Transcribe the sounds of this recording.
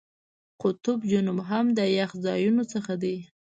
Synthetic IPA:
qʊt̪ʊbd͡ʒʊnʊmɦamd̪əjaxzɑjunot͡səxad̪i

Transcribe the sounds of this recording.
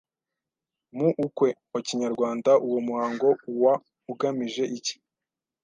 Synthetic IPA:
muʔukwe̞ | ociɲaɾɡwaːndaʔuwomuhaːŋɡo̞uwa | uɡamiʒe̞ʔici̥

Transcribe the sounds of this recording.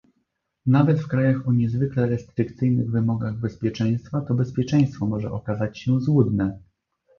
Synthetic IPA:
navɛt̪fkɾajaxɔɲɛzvɘklɛɾɛst̪ɾɘkt̪sɘjnɘɣvɘmɔɡaɣbɛspʲjɛt͡ʂɛj̃st̪fat̪ɔbɛspʲjɛt͡ʂɛj̃st̪fɔmɔʐɛʔɔkazat͡ɕɕɛzwud̪nɛ

